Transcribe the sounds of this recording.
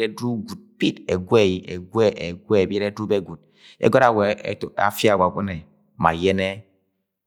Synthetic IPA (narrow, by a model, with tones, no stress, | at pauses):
ɾe˦du˦ɡu˨t̚pi˦te˨ɡʷe˦˨ji˨ʔe˨ɡʷwe˦ʔe˨ɡʷe˦˨be˦ɾe˦dɾu˦be˦ɡu˨t̚ | ḛ˦ɡɔ˦ɾa˨we˨ḛ˨to˨a̰˨fi˦a˨ɡa˨kʷɔ˦ne˨ | ma̰˨je˦ne˦